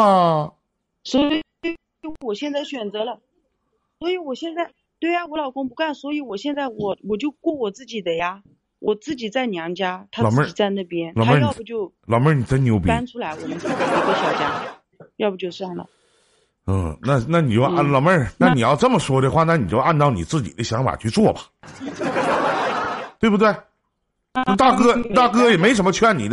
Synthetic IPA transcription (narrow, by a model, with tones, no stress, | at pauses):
swɔ˧˥˧ | wɔ˨˩ɕjɛ˥˧nt͡sa˥˩ɪɕɥɛ˨˩nt͡sɤ˧˥lə˧ | swɔ˧˥i˧˥wɔ˨˩ɕjɛ˥˧nt͡sa˥˩ɪ | t̪we˥˩ɪja˨˩wɔ˧˥lɑ˨˩ʊkʊ˥ŋpu˧˥ka˥˩nswɔ˧˥i˧˥wɔ˨˩ɕjɛ˥˧nt͡sa˥˩ɪwɔ˨˩wɔ˨˩t͡ɕjo˥˧ʊkwɔ˥˩wɔ˨˩t͡sɹ̩˥˩t͡ɕi˨˩d̪ə˦ja˧ | wʔɔ˨˩t͡sɹ̩˥˩t͡ɕi˨˩t͡sa˥˩ɪnjɑ˧˥ŋt͡ɕja˥t̪ʰa˥˨ɹm˥i˨˩t͡sa˥˧ɪna˥˩pjɛ˥nlɑ˨˩ə˥jɑ˥˧˩bu˨˩t͡ɕjo˥˧ʊ | lɑ˨˩ʊmə˥˩ni˨˩t͡sa˧˥ɪnjo˧˥ʊp̬ja˥nʈ͡ʂʰu˥la˧˥ɪwɔ˨˩mə˦nt͡sɹ̩˥˩t͡ɕi˨˩i˧˥ɡə˥˩ɕɑ˨˩ʊt͡ɕja˥ | jɑ˥˩ʊbu˨˩t͡ɕjo˥˧ʊswa˥˩nlə̰˩ | n̩˥˩na˥˩na˥˩ni˨˩t͡ɕjo˥˧ʔlɑ˨˩ʊmə˥˧na˥˩ni˨˩jɑ˥˧ʊʈ͡ʂɤ˥˩mə˩ʂwɔ˥d̪ə˧xwa˥˩na˥˩ni˨˩t͡ɕjo˥˧a˥˧nt̪ɑ˥˩ʊni˨˩t͡sɹ̩˥˩t͡ɕḭ˨˩d̪ə˦ɕjɑ˧˥ŋfa̰˨˩t͡ɕʰy˥˧t͡swɔ˥˩bɐ̥˨ | t̪we˥˧ɪbu˧t̪we˥˩ɪ˥˧˥ | t̪a˥˩kɤ˥˨˩t̪a˥˩k̬ɤ˥jɛ˨˩me˧˥ɪʂ̬ə˥mə˧t͡ɕʰy˥a˥˩nḭ˨˩d̪